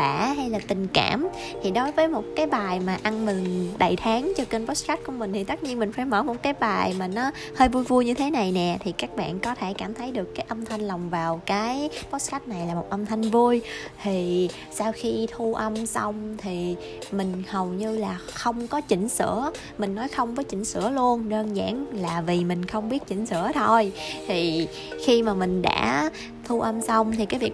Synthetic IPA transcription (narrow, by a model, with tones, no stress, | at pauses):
a̰ː˧˩ɦa˧jlaː˨˩t̪ï˨˩ŋ̟ka̰ː˧˩m | t̪ʰi˨˩ɗo˨˦jvəː˨˦jmo˨˩t̚kaː˨˦jɓaː˨˩jmaː˨˩ʔa˧nmï˨˩ŋ̟ɗə̰˧˨jt̪ʰaː˨˦ŋt͡ɕɔ˧kə˧nvɔ˦˥sxa˦˥t̚ku˧˩əmï˩ŋ̟t̪ʰi˨˩t̪ə˦˥t̚ɲi˧ənmï˨˩ŋ̟faː˧˩jmə̰˧˩mo˨˩t̚kaː˨˦jɓaː˨˩jmaː˨˩nɔ˨˦ | həː˧jvu˧jvu˧jɲɨ˧t̪ʰe˨˦na˨˩jnɛ˨˩t̪ʰi˨˩kaː˦˥k̚ɓa̰ː˧˨nkɔ˨˦t̪ʰe˧˩kaː˧˩mt̪ʰə˨˦jɗɨ˨˩əkːaː˨˦jʔə˧mt̪ʰa˧jŋ̟la˨˩wŋ͡mvaː˨˩wkaː˨˦jɓɔ˦˥s̚xa˦˥t̚na˨˩jlaː˨˩mo˨˩t̚ʔə˧mt̪ʰa˧jŋ̟vu˧əjt̪ʰi˨˩ | saː˧wxi˧t̪ʰu˧ʔə˧msa˧wŋ͡mt̪ʰi˨˩ | mï˨˩ŋ̟hə˨˩wɲɨ˧laː˨˩xə˧wŋ͡mkɔ˨˦t͡ɕï˧˩ŋ̟sɨ̰˧˥ə | mï˨˩ŋ̟nɔ˨˦jxə˧wŋ͡mvɔː˨˦jt͡ɕï˧˩ŋ̟sɨ̰˧˥əlu˧ənɗəː˧nza̰ː˧˥ŋlaː˨˩vi˨˩mï˨˩ŋ̟xə˧wŋ͡mɓi˦˥ət̚t͡ɕï˧˩ŋ̟sɨ̰˧˥ət̪ʰo˧jt̪ʰi˨˩ | xi˧maː˨˩mï˨˩ŋ̟ɗa̰ː˧˥ | t̪ʰu˧ʔə˧msə˧wŋ͡mt̪ʰi˨˩kaː˨˦jvi˨˩ə